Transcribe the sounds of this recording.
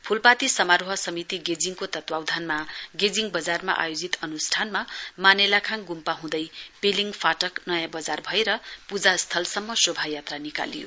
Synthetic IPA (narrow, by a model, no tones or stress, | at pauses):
pʰulpat̪isʌmaɾoɦʌsʌmit̪iɡed͡ziŋkot̪ʌt̪wawd̪ʱanmaɡed͡ziŋbʌd͡zarma̰ʔa̰jod͡zit̪ʌnusʈʰanmamanelakʰaŋɡumpaɦũd̪ʌjpeliŋpʰaʈʌknʌjãbʌd͡zarbʱʌeɾʌpud͡zast̪ʰʌlsʌmːʌsobʱajat̪ranika̰lḭjo̰